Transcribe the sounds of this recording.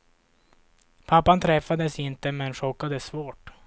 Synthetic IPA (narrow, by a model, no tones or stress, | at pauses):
pʰapːant̪ʰɾɛfːad̪əsɪnt̪əmɛnʂɔkːad̪əsvoːʈ